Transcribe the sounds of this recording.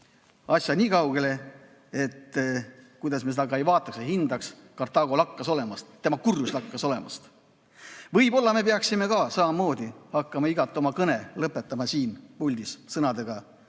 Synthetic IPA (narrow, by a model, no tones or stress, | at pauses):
ɑsʲjɑnʲiːkɑwɡ̥e̞le̞ | et̪ː | kujd̪ɑsmesed̪ɑɡɑejvɑːt̪ːˑɑkseɦind̪ɑks | kɑrt̪ɑɡ̥o̞lɑkːɑso̞le̞mɑst̪ːe̞mɑkurːjuslɑkːɑso̞le̞mɑ̰st̪ | vɤjbo̞lːɑme̞peɑksime̞kɑsɑmɑmːo̞ːd̪̥ihɑkːɑmɑiɡɑt̪ːˑo̞mɑkɤne̞lɤpːˑet̪ːˑɑmɑsiːnpulʲd̪̥issɤnɑd̪̥e̞ɡ̥ɑ